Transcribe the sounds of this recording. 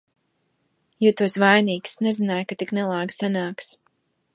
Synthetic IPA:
jut̪uɔsvajniːksnɛzinaːjkat̪iknɛlˠaːɡsanaːks

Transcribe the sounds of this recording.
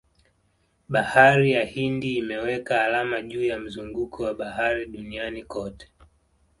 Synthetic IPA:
ɓahaɾijahindiːmɛwɛkaːlamaʄuːjam̩zuŋɡukʰɔwaɓahaɾiɗunianikɔtɛ̥

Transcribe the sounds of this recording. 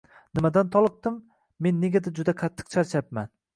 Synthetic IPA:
nɪmad̪ant̪ʰɒlˠɨq̚d̪ɪmː | e̞nːeɡʲad̪ad͡ʒʊd̪akʰat̪ʰːɨ̥q̚t͡ʃʰaɾt͡ʃʰap̚ma̰n

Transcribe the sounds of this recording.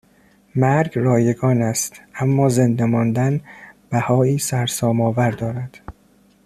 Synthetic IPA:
mæɾɡrɒːjeɡɒːnæst̪ʔæmːɒːzend̪emɒːnd̪ænb̥æhɒːiːsæɾsɒːmɒːvæɾd̪ɒːɾæd̪̥

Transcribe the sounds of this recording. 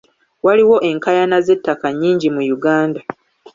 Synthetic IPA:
waliwo̞ʔe̞ŋkajanaze̞tːakaɲːiːɲɟimujuɡaːnda

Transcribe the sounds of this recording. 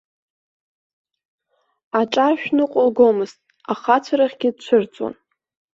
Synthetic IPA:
aʈ͡ʂʼaʃᶣnɨqʷʼʊlɡomɨztʼ | aχat͡ɕʷʰaɾaχʲɡʲɪd̚t͡ɕʷʰɨrt͡sʼwa̰n

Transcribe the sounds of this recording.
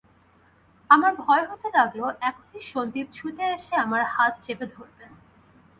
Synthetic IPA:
amaɾbʱɔeɦot̪elaɡloʔɛkʰo̥niʃond̪ip̚t͡ɕʰut̪eeʃeamaɾhat̪̚d͡ʑebed̪ʱoɾben

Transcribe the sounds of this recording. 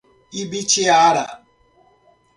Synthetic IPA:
ibit͡ʃɪaɾa̰

